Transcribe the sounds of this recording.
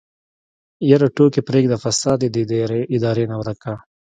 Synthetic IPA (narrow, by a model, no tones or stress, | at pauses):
jɐɾaʈoːkepɾeːɡd̪afɐsɑːd̪ed̪id̪ɾeɪd̪ɑːɾenawɾɐka